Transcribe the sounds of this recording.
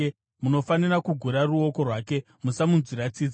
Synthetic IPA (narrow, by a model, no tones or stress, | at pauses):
muno̞fanirakuɡʱuɾaruo̞ko̞rwaːke̞ | musamunziɾat͡siːd͡z